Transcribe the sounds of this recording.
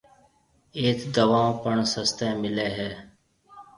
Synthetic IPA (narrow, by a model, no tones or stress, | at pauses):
eːt̪d̪əʋãːpəɳsəst̪ẽːmɪleːɦɛː